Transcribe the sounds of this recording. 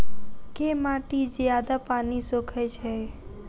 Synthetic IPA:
kemaʈid͡ʒjad̪apanisokʰajt͡ʃʰe

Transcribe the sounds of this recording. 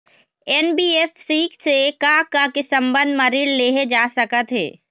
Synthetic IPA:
ɛnbiːeːfsiːksekakakesɐ̃mbə̃nd̪mɐɾiːɽleːɦed͡ʒaːsɐkət̪ɦɛ̰ː

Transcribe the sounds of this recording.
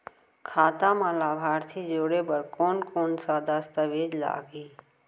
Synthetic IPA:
kʰaːt̪amãlaːbʱaːɾt̪ʰid͡ʒoːɽebəɾkoːnkoːnsaːd̪ast̪əʋeːd͡ʒla̰ːɡiː

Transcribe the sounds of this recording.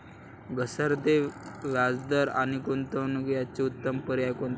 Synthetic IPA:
ɡəsəɾd̪eʋjad͡zd̪əɾa̰ñikont̪ənɡjat͡ɕeut̪ːəmpəɾjajkont̪

